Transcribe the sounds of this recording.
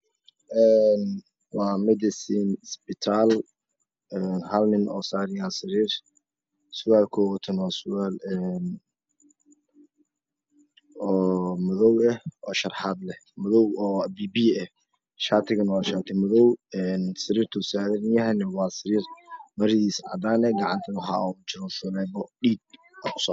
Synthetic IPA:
ʔɛːn | wɑːmɛd̪ɪsinsbɪt̪ʰaːl | ɛːnhɐlnɪnʔɔːsaːɾɪjaːsɪɾiːr | sʊɣaːlkʰɔt̪ʰɐnaːsʊɣaːlɛn | ɔːmʊðɔwɛhɔːʃɐrħaːd̪lɛhmʊðɔwɔːbiːbiːɛh | ʃaːt̪ʰɪɣɐnɐwɑːʃaːt̪ʰɪmʊðɔwɛnsɪɾiːrt̪ʰʊsaːðɛnɪjɐɦɛnɛwɑːsɪɾiːrmɐɾɪðiːsʕɑ̰d̪aːnɛɡɑʕɑ̰nt̪ʰɐħɑ̰ɔt͡ʃɪɾɔʃʊlɛːbɔɗiːd̪̚ | ɐkʰʊ̥sɔ̰

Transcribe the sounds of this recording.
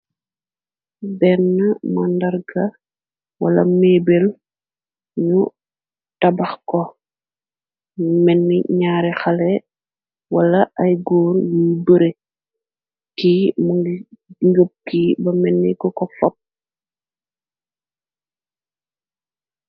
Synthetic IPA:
bɛnːɐmɐndɐrɡɐ | wɐ̰lɐ̰meːbel | ɲu | tɐbɐxkɔ | mɛnːiɲaːɾɛxɐlɛ | wɐlɐʔɐjɡɔːɾjijbəɾe | kim | ŋɡəp̚kibɐmɛnːikɔkɔfɔp̚

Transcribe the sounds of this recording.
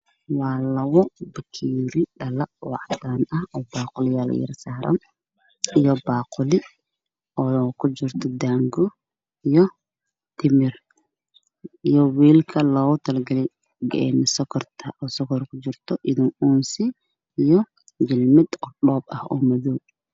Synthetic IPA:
wɑːlɐwɔbɐkʰiːɾɪɖɐlɐwɑ̰ʕd̪aːnɐhɔːbaːqʊlɪjal̰jɪ̰ɾsaːɾʔɐ̰n | ijɔbaːqʊlɪ | ɔːkʰʊd͡ʒɪrt̪ʰɔd̪aːŋɡɔ | ijɔ | t̪ʰɪmɪr | ijɔwiːlkʰɐlɔːɣʊt̪ʰɐlɡɐlɪ | ɡɛ̰ɛ̰nɪsɔkʰɔrt̪ʰɐʔɔːsɔkʰɔrkʰʊt͡ʃɪrt̪ʰɔʔɪðɪŋʔuːnsɪ | ijɔ | d͡ʒɪlmɪd̪ɔɗɖɔːbɐhɔ̰ːmɐðuː

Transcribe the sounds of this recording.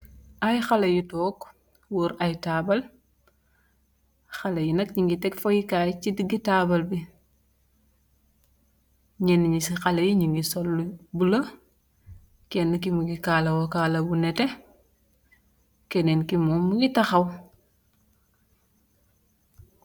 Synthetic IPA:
ɐjxɐlɐjitɔːk | woɾɐjtaːbɐl | xɐlɐjinɐkɲiŋɡitɛkfojikaːjt͡ʃidiɡitaːbɐlbi | ɲɛnɲisixɐlɐjiɲiŋɡisɔlːbulɐ | kɛnːkimuɡikaːlɐwɔkaːlɐbunɛtɛ | kɛnɛnkimɔmuɡitɐxɐw

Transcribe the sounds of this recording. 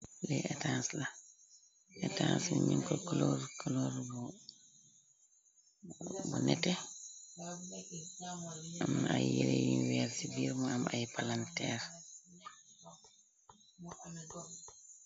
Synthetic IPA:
lɛɛtansla | ʔɛtansɲiŋkɔkɔlɔɾkɔlɔɾb | bunɛtɛ | amajjelejinwɛːɾsibiːɾmaamajpalantɛːɾ

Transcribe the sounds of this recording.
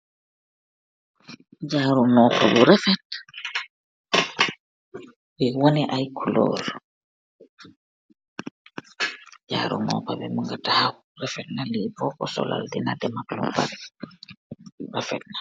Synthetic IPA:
d͡ʒaːɾunɔpabuɾɛfɛt̚ | wɛwɔnɛʔajkʰulɔ̰ːɾ | d͡ʒa̰ɾṵnɔ̰pabɛmuŋɡataha | ɾɛfɛtnalibɔkɔsɔ̰la̰ldɛnadɛmaklṵmba̰ɾ | iɾafɛ̰t̚na

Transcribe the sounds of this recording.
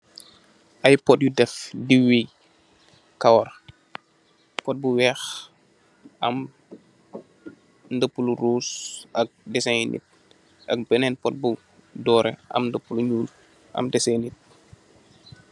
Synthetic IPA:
ʔajpɔt̚judɛfdiwi | kawɔr | pɔt̚buwɛːx | ʔɐm | ndəpːuluruːsɐk̚dɛsajnʔḭt̚ | ʔɐ̰k̚bənɛnpɔt̚bu | dɔːɾɛɐ̰mndəpːuluɲuːl | ʔɐ̰mdɛsenit̚

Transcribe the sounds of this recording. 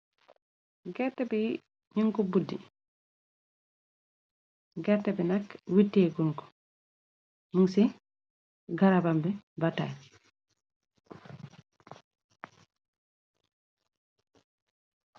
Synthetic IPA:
ɡɛɾtːɛbɛ | ɲiŋkɔbudːḭ | ɡɛɾtːɛbɛnakːwitːeɡunkɔ̥ | nuŋsɛ | ɡaɾabambɛbataj

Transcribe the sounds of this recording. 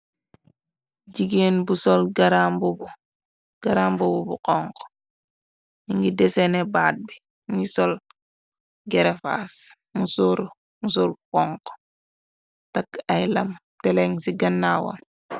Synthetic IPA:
ɟiɡenbusɔlɡaɾaːmbubu | ɡ̥aɾaːmbububṵqɔŋkɔ̥ | niŋɡidesenebaːt̚bi | ŋɡisɔl | ɡɛɾefa̰s | musuɾ | mus̬uɾkɔŋkɔ̥ | takajlɐmtɛleŋsiɡɐnːawo̰n

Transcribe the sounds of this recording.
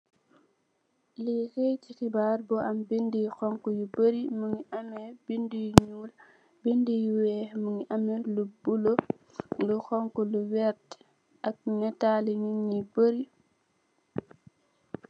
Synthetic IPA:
lixejtixibaːɾbɔʔambindijxɔŋkujubəɾimuŋiʔamɛbindijɲuːl | bindijuwɛmuŋiʔamɛlubulo | luxɔŋkuluwɛɾt | ʔak̚nɛtaːliɲiŋːibəɾi

